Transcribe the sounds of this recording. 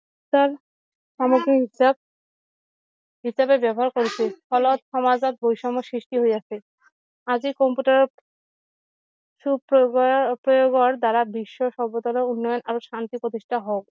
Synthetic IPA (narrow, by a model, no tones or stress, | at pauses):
saɾ | ʃamoɡɾiɦisab̚ | ɦisabebɛbɔɦaɾkoɾet͡ɕʰifʰɔlot̪ʃɔmad͡ʑat̪̚bojʃɔmosɾiʃʈiɦojat͡ɕʰe | ad͡ʑikɔmpuʈaɾ | ʃuppɾojoɡoɾd̪aɾabiʃːoʃɔɾbod̪ɔlounːɔjonʔaɾoʃant̪ipɾot̪̬iʃʈʰaɦok